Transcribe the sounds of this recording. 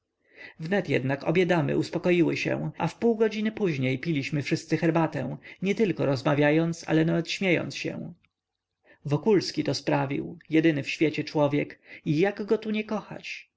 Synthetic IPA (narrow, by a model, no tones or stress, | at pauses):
vnɛt̪jɛ̰d̪nakɔ̰bʲjɛd̪amɘ̰ʔuspɔkɔjiwɘɕɛ̰w̃ʔa̰fpuwɡɔd͡ʑinɘpuʑɲejpʲilʲiɕmɘfʂɘst̪sɘxɛɾbat̪ɛ̃w̃ɲɛt̪ɘlkɔɾɔzmavʲjajɔnt̪sa̰lɛnavɛt̪ɕmʲjejɔ̰nt̪sɕɛ̰w̃ | vɔkulskʲit̪ɔspɾavʲḭwjɛd̪ɘnɘfɕfʲjɛt͡ɕɛt͡ʂwɔvʲjɛkijaɡɡɔt̪uɲɛkɔxa̰t͡ɕ